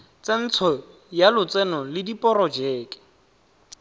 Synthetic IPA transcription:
t͡sen̩t͡sʰɔ | jalʊt͡sɛnɔlɪdipʼɔɾɔd͡ʒeːkʼɪ̥

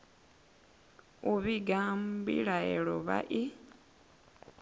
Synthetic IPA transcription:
uβiɡaːmbḭlaḛɺoβa̰ʔi

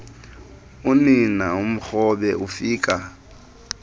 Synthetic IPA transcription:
ʊnɪnaʊm̩k͡xɔbɛʔʊfiːkʼa

